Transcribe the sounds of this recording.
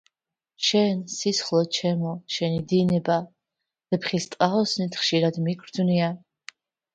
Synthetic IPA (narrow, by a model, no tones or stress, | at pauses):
ʃɛnsisχlˠɔt͡ʃʰɛmɔʃɛnid̪inɛba | dɛpʰχist̪ʼqʼaɔsnit̪ʰχʃiɾad̪miɡʰɾdd͡ʒnia